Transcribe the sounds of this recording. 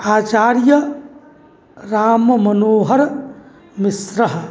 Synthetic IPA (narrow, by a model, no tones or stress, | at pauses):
aːt͡ʃaːɾjə | ɾaːmmɐnoːɦɐɾ | misɾɐɦ